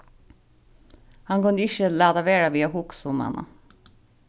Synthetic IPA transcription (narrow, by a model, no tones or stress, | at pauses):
hɑŋkɑnd̪ɪʃəlæːd̪ɑʋeːɽɑʋiːɑhʊksʊmɑ̰nɑ̰